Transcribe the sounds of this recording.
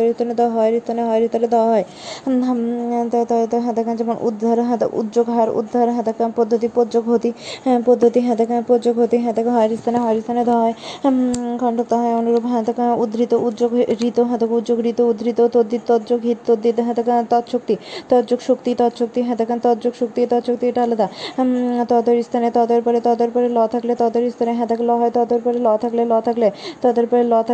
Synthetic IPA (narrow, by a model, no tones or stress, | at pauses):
ɾit̪ːned̪ɔɦɔeɾist̪ʰaneɦɔeɾit̪ɔned̪ɔwaɦɔe | ɦt̪t̪t̪ɦɛ̃d̪akand͡ʒɛmonʔṵd̪ʱːaɾɦãd̪̰ʔṵd̪d͡ʒoɡɦaɾṵd̪ʱːaɾɦɛ̃d̪akanpod̪ʱːot̪̬ipod͡ʒoɡɦot̪ipod̪ʱːot̪iɦɛ̃d̪akanpod͡ʒoɡɦot̪iɦɛ̃d̪akɦɔeɾist̪ʰaneɦɔeɾist̪ʰaned̪ɔɦɔe | kɔɳʈok̚t̪ɔɦɔeonuɾobɦɛ̃d̪akaud̪ɾit̪oʔut̪ːd͡ʒoɡɾit̪oɦɛ̃d̪okud̪d͡ʒoɡɾit̪oud̪ɾit̪ot̪od̪ʱːit̪t̪ɔd̪d͡ʑoɡɦit̪t̪od̪ːit̪ɦɛ̃d̪akt̪ɔt̪ʃok̚t̪it̪ɔɾd͡ʑoɡʃokt̪it̪ɔt̪ʃok̚t̪iɦɛ̃d̪akant̪ɔɾd͡ʑoɡʃok̚t̪it̪ɔt̪ʃok̚t̪iʈalod̪a | t̪ɔd̪oɾist̪ʰanet̪ɔd̪eɾpɔɾet̪ɔd̪eɾpɔɾelɔt̪ʰaklet̪ɔd̪oɾist̪ʰaneɦɛ̃d̪aklɔɦɔet̪ɔd̪eɾpɔɾelɔt̪ʰaklelɔt̪ʰaklet̪ɔd̪eɾpɔɾelɔt̪ʰa